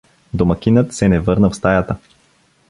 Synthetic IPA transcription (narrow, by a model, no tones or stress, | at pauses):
d̪omɐkʲinət̪sɛnɛvɤɾnəfst̪ajat̪ə